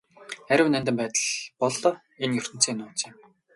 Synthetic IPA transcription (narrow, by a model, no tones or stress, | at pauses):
æɾʲɪ̆wnænt̪ɘ̆mpæːt̪ə̆ɮpɔɮɞ | enjɵr̥ʲt̪ɘ̆n̥t͡sʰiːnʊːt͡seːm